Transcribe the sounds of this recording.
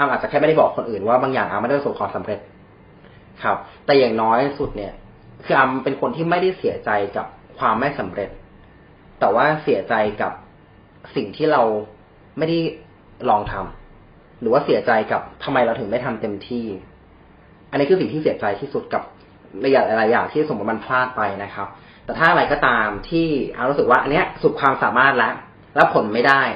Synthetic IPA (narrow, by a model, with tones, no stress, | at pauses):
ʔaː˧mʔaː˨˩a˨˩kʰɛː˥˩m˥˩a˥˩bɔː˨˩kʰːo˧nʔɯː˨˩nwaː˥˩baː˧ŋjaː˨˩ŋʔaː˧ma˥˩da˥˩˧so˩kʰɔː˧sa˩˦mɾe˨˩t̪̚ | kʰa˦˥p̚t̪ɛː˨˩jaː˨˩ŋnɔː˦˥jsu˨˩t̪̚ni˥˩ɐ | kʰɯː˧ʔaː˧mpe˧nkʰo˧nt̪ʰiː˥˩ma˥˩jda˥˩jsi˨˩˦ɐt͡ɕa˧jka˨˩p̚kʰwaː˧mːa˥˩jsa˩˦mɾe˨˩t̪̚ː | ɛː˨˩waː˥˩si˨˩˦ɐt͡ɕa˧jka˨˩p̚ | si˨˩ŋt̪ʰiː˥˩ɾa˧w | ma˥˩jda˥˩j | lɔː˧ŋt̪ʰa˧m | ɾɯː˩˦waː˥˩si˨˩˦ɐt͡ɕa˧jka˨˩p̚t̪ʰa˧mːa˧jɾa˧wt̪ʰɯ˨˩˦ma˥˩jt̪ʰa˧mt̪e˧mt̪ʰiː˥˩ | ʔa˧ni˦˥kʰɯː˧si˨˩ŋt̪i˥˩i˩˦t͡ɕa˧jt̪ʰiː˥˩su˨˩t̪̚ka˨˩p̚ | ɾa˧ja˦˥la˧˩la˧jːaː˨˩ŋt̪ʰiː˥˩a˥˩o˨˩˦b̪̚ma˧npʰlaː˥˩t̪̚pa˧jna˦˥kʰa˦˥p̚ | t̪ɛː˨˩t̪ʰaː˥˩ʔɾa˧jkɔː˥˩t̪aː˧mt̪ʰiː˥˩ʔa˧˨˩ɾu˦˥sɯ˨˩k̚waː˥ʔa˧nːi˦˥ɐsu˨˩t̪̚kʰwaː˧msaː˩˦maː˥˩t̪̚lɛ˦˥ʔ | lɛː˦˥wkʰo˨˦nma˥˩jdaː˥˩j